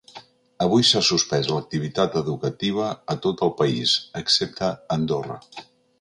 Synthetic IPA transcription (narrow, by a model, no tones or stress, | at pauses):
əβ̞ujsasuspɛzlək̚t̪iβ̞it̪at̪əðukət̪iβ̞əːt̪ot̪əlˠpəizəksep̚t̪əːnd̪orə̰